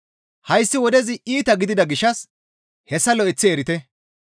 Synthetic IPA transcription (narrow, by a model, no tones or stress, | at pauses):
hɐjsːɪwɔd̪ɛzɪʔiːt̪ɐɡɪd̪ɪd̪ɐɡɪʃːɐs | hɛsːɐlɔɪt͡sːɪeɾɪt̪ɛ